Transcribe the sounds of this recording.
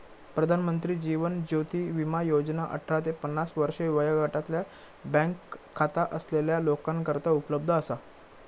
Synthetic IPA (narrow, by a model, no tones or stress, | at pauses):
pɾəd̪ʱanmənt̪ɾiːd͡ʑiʋənd͡ʑot̪iːʋimajod͡ʑnaʔə̰ʈʰːɾat̪epənːasʋəɾʂeʋəjaɡʱaʈat̪lja | bə̃ŋkʰː | at̪aʔəsleljalokãnkəɾt̪aupələb̚d̪ʱəːsa